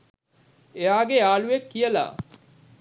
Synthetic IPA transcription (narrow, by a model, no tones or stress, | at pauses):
eaːɡeaːlujekːijəla̰ː